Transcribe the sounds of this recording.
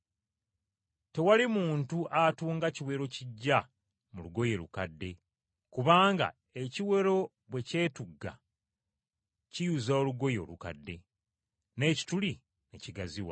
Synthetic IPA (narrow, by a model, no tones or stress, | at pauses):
te̞walimuːntuʔatuːŋɡaciwe̞ːɾo̞ciɟːa | muluɡo̞je̞lṵkadːe̞ | kuβaːŋɡa̰ | e̞ciwe̞ɾo̞ | βwe̞ce̞ːtuɡːa̰ | cijuzaoluɡo̞jo̞̰luka̰dːe̞ | ne̞ːci̥tuli | ne̞ciɡaziwa̰